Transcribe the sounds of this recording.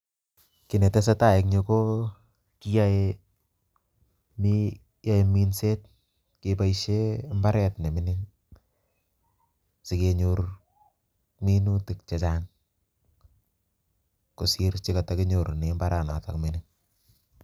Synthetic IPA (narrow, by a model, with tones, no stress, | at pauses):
kɪ˨nɛ˨tɛ˦s̬a˦ta˨ɪ˨k̚ɲo˧ko˦ | ki˦jae | mi | ja˦e˨mi˦nset̚ | kepa˦iʃemba˦ɾɛtne˨mɪnɪŋ | sɪkeɲor | minutɪ˨k̚t͡ʃa˨t͡ʃan | kʊ˨siɾt͡ʃɪka˨takɪ˦ɲo˨ɾne˨mbaɾa˨na̰ta̰˨kmɪnɪŋ